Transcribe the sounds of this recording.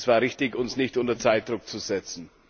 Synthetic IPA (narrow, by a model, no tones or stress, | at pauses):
sv̥aːʁɪçtɪçʊnsnɪçtʊntɐt͡saɪt̚d̥ʁʊk̚t͡suzɛt͡sn̩